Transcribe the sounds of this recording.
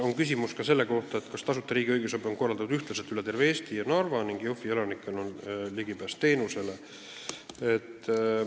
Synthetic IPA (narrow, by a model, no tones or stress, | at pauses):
o̞nkysʲimuskɑse̞lːeko̞ht̪ɑet̪kɑst̪ɑsut̪ːˑɑɾiːɡijɡ̥esɑbio̞nko̞rːɑld̪ɑnud̪yht̪lɑs̬e̞lt̪yle̞t̪e̞rveeːst̪ijɑnɑrvɑniŋɡ̥jofie̞lɑnikːˑenonliɡipæst̪ːe̞ːnuse̞le̞ | et̪ː